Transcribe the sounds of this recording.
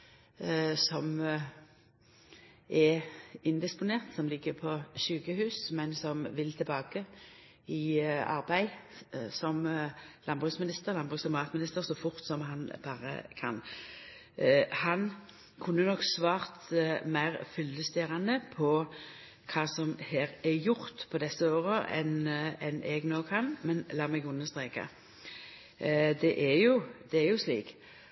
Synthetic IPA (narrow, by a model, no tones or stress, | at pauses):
sɔm | ɛɪnd̪ɪspʊneːʁt̪sɔmlɪɡːəpʰɔʃʉːkəhʉːsmɛnsɔmʋɪlt̪ʰɪlbɑːkə | ɪɑ̰ʁbæɪsɔmlʔɑnbʁʉsmɪnɪst̪əʁlɑnbʁʉːsɪmɑːt̪mɪnɪst̪əʁsɔfʊʁt̪sɔmhɑnb̥ɑːʁə̰kʰɑ̰n | hɑn | kʰʉnːənɔksʋɑːʁt̪mæɪʁfʏlːəst̪eːʁɑnd̪əpʰɔ | kʰɑːsɔmheːʁɛjʊʁt̪pʰɔd̪ɛsːəoːɾəʔɛ̰nɛnʔɛɡnoːkʰɑnmɛnlɑːmɛɡʉnəʁst̪ʁeːkɑ̰ | d̪ɛʔæjʊd̪̥ɛæʁjʊslḭːk